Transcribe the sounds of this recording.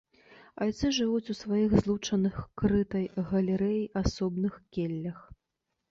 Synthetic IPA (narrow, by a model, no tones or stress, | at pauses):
ajt̪sɨʐɨvut͡sʲusvajiɣzlˠut͡ʂɐnɨxkɾɨt̪ɐjɣɐlʲɛɾɛjiʔasɔbnɨxkʲelʲːɐx